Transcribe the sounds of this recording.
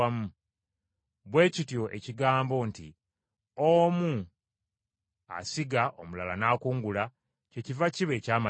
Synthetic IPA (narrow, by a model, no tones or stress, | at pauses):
amu | βwe̞ːcitjo̞ʔe̞̰ciɡaːmbo̞ːntḭ | oːmu | a̰siɡaʔomulalanaːkuːŋɡula | ce̞civaciβe̞ːcaːma